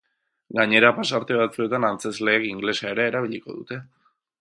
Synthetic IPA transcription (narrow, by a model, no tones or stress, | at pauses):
ɡaɲe̞ɾapasaɾt̪e̞β̞at͡sue̞t̪anant͡se̞zle̞ːkiŋɡle̞saeɾeːɾaβiʎiko̞̰ðut̪e̞